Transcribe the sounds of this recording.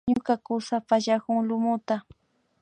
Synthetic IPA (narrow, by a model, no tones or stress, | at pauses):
ɲʊkakʊsapaʎakʊŋlʊmʊt̪a